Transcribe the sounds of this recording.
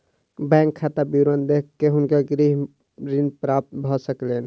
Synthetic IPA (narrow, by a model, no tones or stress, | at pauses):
bɛ̃ŋkʰːat̪abiɾənd̪ekkːeɦʊnkaɡɾiɦ | ɾinpɾap̚t̪bʱɔsəklen